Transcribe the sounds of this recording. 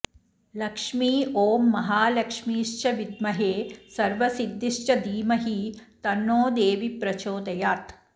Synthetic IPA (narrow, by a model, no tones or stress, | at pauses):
lɐkʂmiːoːmːɐɦaːlɐkʂmiːʃt͡ʃɐʋid̪mɐɦeːsɐɾʋɐsid̪ːiʃt͡ʃɐd̪iːmɐɦit̪ɐnːoːd̪eːʋipɾɐt͡ʃoːd̪ɐjaːt̪